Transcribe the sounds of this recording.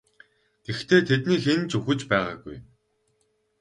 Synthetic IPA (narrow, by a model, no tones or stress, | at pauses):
ɡ̥ext̪ʰeːt̪ʰet̪niːxent͡ɕuxɘ̆t͡ɕpæːʁa̰ːɡṵj